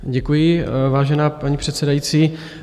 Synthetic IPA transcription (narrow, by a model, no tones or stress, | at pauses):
ɟɛkujɪvaːʒɛnaːpaɲipr̥ɛt̪sɛdajiːt͡siː